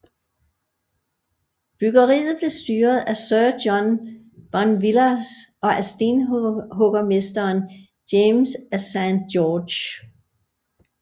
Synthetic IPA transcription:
b̥yɡ̥ɐʁḭːð̩ˠb̥le̝sd̥yːɐð̩ˠæsœːd̥jɒn | b̥ɒnʋilɐsʔɒ̽ʔæsd̥enɦɔɡ̥ɐme̝sd̥ɐːn | d̥emsæsænjɔ̥ːɕ

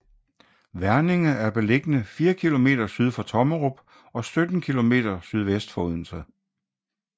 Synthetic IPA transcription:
ʋæɐne̝ŋɐæɐb̥e̝le̝ɡ̥ənəfiːɐkʰilo̝me̝̰ːd̥ɐsyð̞ˠfɑt͡sʰɒ̽məʁob̥ | ɒ̽sød̥n̩kʰilo̝me̝̰ːd̥ɐsyð̞ˠʋesd̥fɒuð̰ˠn̩sɐ

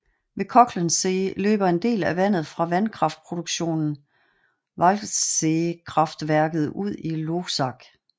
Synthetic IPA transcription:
ʋe̝kʰɒ̽ɡ̥lənselø̰ːb̥ɐe̝nd̥e̝̰ːlæʋæn̰ð̞̩ˠfʁɑ̈ʋænkʰʁɑ̈fd̥̚pʰʁo̝d̥uɡ̥ɕo̝̰ːnn̩ | ʋɑlsekʰʁɑ̈fd̥ʋæɐɡ̥ð̞̩ˠuð̞̰ˠilo̥sɑ̈ɡ̥

